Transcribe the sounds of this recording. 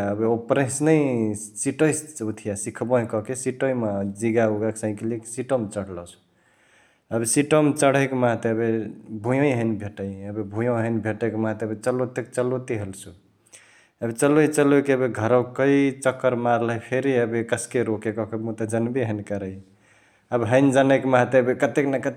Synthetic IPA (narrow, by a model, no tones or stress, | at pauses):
əbeopɾesnəi | siʈəjsut̪ʰijasikʰbɔɦĩkɔkesiʈoimad͡ʒiɡauɡaksãĩkeleksiʈəmt͡ʃəɽ̤lɔsu̥ | əbesiʈəmt͡ʃəɽ̤əjkmãɦt̪eəbebʱũjõiɦəjnbʱeʈəjəbebʱũjõɦənbʱeʈekmãɦt̪eəbet͡ʃəlot̪ek̚t͡ʃəlot̪iɦelsu | əbet͡ʃəloit͡ʃəlokeəbeɡʱəɾɔkəit͡ʃəkːəɾmaɾləjpʰeɾiəbekəskeɾokekɔkemut̪ad͡ʒənbiɦənikəɾəi | əbɦəɪnd͡ʒanəkmãɦt̪eəbekət̪eknakət̪